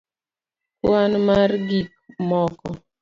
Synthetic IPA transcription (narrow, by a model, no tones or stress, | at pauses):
kwanmaɾɡik̚mɔkɔ